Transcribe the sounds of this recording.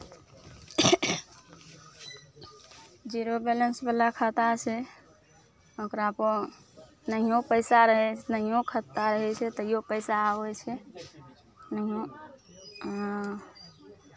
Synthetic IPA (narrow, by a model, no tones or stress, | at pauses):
d͡ʒiɾobelənsbəlakʰət̪at͡ʃʰɛ | okɾapo | nəɦijõpəɪsaɾəɦɛt͡ʃʰnəɦijõkʰət̪ːaɾəɦɛt͡ʃʰɛt̪əijopəɪsaɦojt͡ʃʰɛ | nəɦijõ